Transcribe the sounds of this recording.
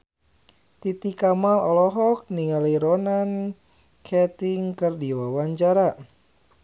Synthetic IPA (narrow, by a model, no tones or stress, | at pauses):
t̪it̪ikamalɔlɔɦɔk̚niŋaliɾɔnan | kʰɛt̪iŋkɨrdiwawaɲt͡ʃaɾa